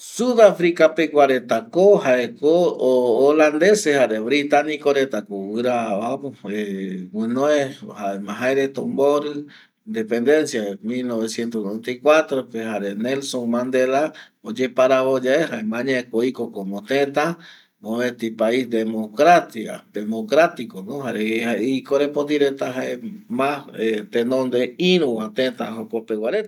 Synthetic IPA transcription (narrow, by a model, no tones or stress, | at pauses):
suðafɾikapekʷaɾet̪akohaekoː | land̪esehaɾeβɾit̪anikoɾet̪akowɨɾaapewɨ̃noehaemãɦaeɾet̪õmboɾɨ | nd̪epe̞nd̪e̞nsjamilnoβesje̞nt̪onoent̪ajkwat̪ɾopeɦaɾenelsomãnd̪ela | od͡ʒepaɾaβod͡ʒaehaemãɲãekoikokomot̪ẽt̪a | oβet̪ipaisd̪emokɾat̪ia̰d̪emokɾat̪ikonõɦaɾeaikoɾepod̪iɾet̪aɦaemãet̪ẽnõnd̪eĩɾũoat̪et̪aɦopopewaɾet̪a